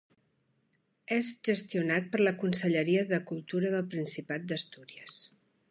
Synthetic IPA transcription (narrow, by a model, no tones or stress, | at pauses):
ɛzʒəst̪iunat̪̚pəɾləkunsəʎəɾiəðəkulˠt̪uɾəðəlˠpɾinsipat̪̚d̪əst̪uɾiəs